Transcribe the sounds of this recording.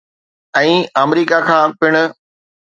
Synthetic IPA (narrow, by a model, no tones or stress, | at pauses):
ɛ̃ːəmɾiːkakʰãːpɪɽ̃ʊ̆